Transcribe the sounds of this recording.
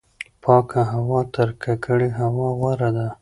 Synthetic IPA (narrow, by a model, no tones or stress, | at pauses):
pʰɑkaɦawɑt̪əɾkakʰəɽeɦawɑɣwaɾad̪a